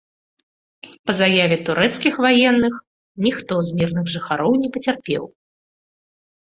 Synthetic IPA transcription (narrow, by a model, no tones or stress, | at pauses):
pɐzajavʲɛt̪uɾɛt̪skʲixvajɛnːɨx | nʲixt̪ɔzmʲirnɨɣʐɨxaɾɔwnʲɛpɐt͡sʲarpʲɛ̰w